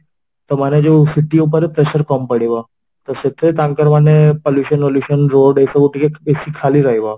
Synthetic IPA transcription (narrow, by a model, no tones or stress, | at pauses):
t̪omaned͡ʒosiʈiupəɾpɾeʃəɾkɔmpəɽiʋa | t̪oset̪ʰːet̪ãŋkəɾʋanepoljuʃənpoljuʃənɾoɖejfakuʈikebesikʰːaliɾaɦiʋa